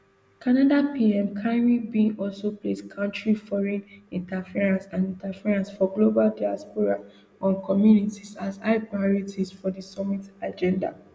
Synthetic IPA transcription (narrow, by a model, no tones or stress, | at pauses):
kʰanadapʰiɛ̃mkʰãnɹibĩɔlsopleskʰãʊ̃ntɹifɔɹɛ̃nĩntafiɹãnsãnĩntafiɹãnsfɔɡlobaldaaspoɹa | ʔãnkʰɔmjunitisasaɪpaɔɹitisfɔdisɔmitad͡ʒɛ̃nda̰